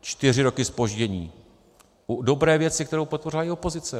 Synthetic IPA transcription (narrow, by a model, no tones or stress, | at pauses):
t͡ʃt̪ɪr̝ɪɾo̞kɪspo̞ʒɟɛɲḭː | ʔudo̞bɾɛːvjɛt͡sɪkt̪ɛɾowpo̞t̪̚po̞rɪlajɪopo̞zɪt͡sɛ